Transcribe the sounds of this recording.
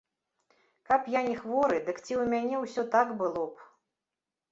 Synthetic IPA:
kapjanʲɛxvɔɾɨd̪ɨkt͡sʲiwmʲanʲɛwsʲɔt̪akbɨlˠɔp

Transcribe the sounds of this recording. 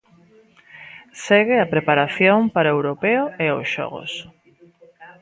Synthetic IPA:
seɣɪɐpɾepaɾaθjoŋpaɾaewɾopeʊeosʃɔ̰ɣo̰s

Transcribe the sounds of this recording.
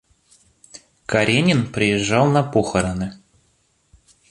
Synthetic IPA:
kɐɾʲenʲɪnpɾʲɪjɪʐːɑlˠnɐpoxəɾənɨ

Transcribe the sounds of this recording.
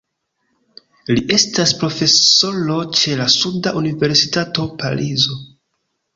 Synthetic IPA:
liʔe̞staspɾo̞fe̞so̞lo̞t͡ʃe̞lasudaʔunive̞ɾsitato̞pa̰ɾʔizo̞

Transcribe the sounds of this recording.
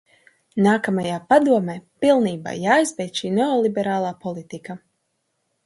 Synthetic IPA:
naːkamajaːpad̪uɔmeːpilˠniːba̰ːjaːjzbʲɛjt̪ʃiːneɔlˠibɛɾaːlˠaːpɔlˠit̪ika

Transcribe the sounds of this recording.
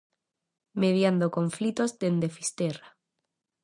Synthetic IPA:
með̞jand̪okoɱflit̪ozd̪end̪efist̪era

